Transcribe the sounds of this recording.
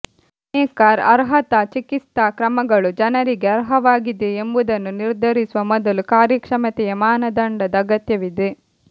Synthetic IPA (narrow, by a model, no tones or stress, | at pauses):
eːkaːɾɐɾɦɐt̪ɐt͡ʃikit̪akɾɐmɐɡɐɭud͡ʒɐnɐɾiɡeɐɾɦɐʋaːɡid̪eembud̪ɐnːuniɾd̪ʱɐɾisuʋɐmɔd̪ɐlukaːɾjɐkʂɐmɐt̪ɛjɐmaːnɐd̪ɐɳɖɐd̪ɐɐɡɐt̪jɐʋid̪e